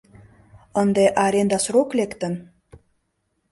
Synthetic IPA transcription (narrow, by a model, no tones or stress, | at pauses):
ənd̪eʔɑɾend̪ɑsroklekt̪ə̆n